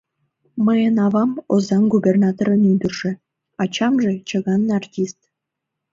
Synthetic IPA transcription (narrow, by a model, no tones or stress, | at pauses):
məjənɑβɑmozɑnɡubernɑt̪oɾənyd̪ərʒĕ | ɑt͡ɕɑmʒet͡ɕəɣɑnːɑrtʲist̪